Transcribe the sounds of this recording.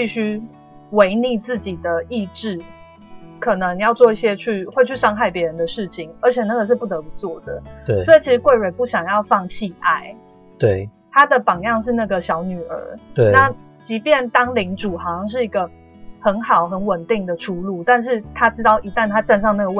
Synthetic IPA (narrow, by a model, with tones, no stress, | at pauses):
pi˥˧ɕy˥ | we˧˥ɪni˥˧t͡sɹ̩˥˩t͡ɕi˨˩d̪ə˩i˥˧ʈ͡ʂɻ̩˥˩ | kʰɤ˨˩nə˧˦ŋjɑ˥˧ʊt͡swɔ˥˧i˥˩ɕjɛ˥t͡ɕʰy˥˧xwe˥˧ɪt͡ɕʰy˥˩ʂɑ˥ŋxa˥˩ɪpjɛ˧˥ɻə˧˦nd̪ə˨˧ʂɻ̩˥˩t͡ɕʰi˨˩ŋə˞˧˥t͡ɕʰjɛ˨˩na˥˩ɡə˩ʂ̬ɻ̩˥˧pu˥˩t̪ɤ˧˥pu˧˦t͡swɔ˥˩d̪ə̰˩swɔ˧˥i˨˩t͡ɕʰi˧˥ʂɻ̩˧˦kwe˥˩ɪwe˨˩ɪpu˥˩ɕjɑ˨˩ŋjɑ˥˧ʊfɑ˥˧ŋt͡ɕʰi˥˧a˥˩ɪ | t̪we˥˩ | t̪ʰa˥d̪ə˨pɑ˨˩ŋjɑ˥˧ŋʂ̬ɻ̩˥˧na˥˩ɡə˩ɕjɑ˧˥ʊny˨˩ə̰˞˧˥ena˥˩ | t͡ɕi˧˥pjɛ˥˩nt̪ɑ˥ŋli˧˥ŋʈ͡ʂu˨˩xɑ˨ɑ˩ɕɑ˥˧ŋʂ̬ɻ̩˥˩i˧˥ɡə˧ | xə˧˦˥nxɑ˨˩ʊxə˧˥nwə˨˩nt̪i˥˩ŋd̪ə˩ʈ͡ʂʰu˥lu˥˩t̪a˥˧nʂ̬ɻ̩˥˩t̪ʰa˥ʈ͡ʂɻ̩˥t̪ɑ˥˩ʊʔi˧˥t̪a˥˩nt̪ʰa˥ʈ͡ʂa˥˧nʂɑ˥˧ŋna˥˩ɡə˩w